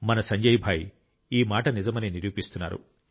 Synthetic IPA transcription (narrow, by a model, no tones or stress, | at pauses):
mɐnɐsɐɲd͡ʒɐjibʱaːj | iːmaːʈɐnizɐmɐniniɾjuːpist̪unːa̰ːɾṵ